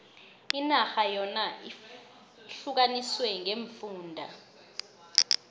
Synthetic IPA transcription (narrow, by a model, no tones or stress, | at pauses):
inaxajɔnaʔi | ɬuk̬aniswɛŋeɱfuːndʱa